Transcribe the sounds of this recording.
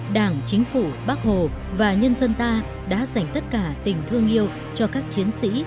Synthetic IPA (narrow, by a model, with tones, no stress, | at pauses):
ɗaː˧˩ŋt͡ɕï˨˦ŋ̟fu˧˩ɓaː˦˥k̚ho˨˩vaː˨˩ɲə˧nzə˧nt̪aː˧ | ɗa̰ː˧˥za˨˩jŋ̟t̪ə˦˥t̚kaː˧˩t̪ï˨˩ŋ̟t̪ʰɨ˧əŋʔi˧əw | t͡ɕɔ˧kaː˦˥k̚t͡ɕi˨˦ənsḭ˧˥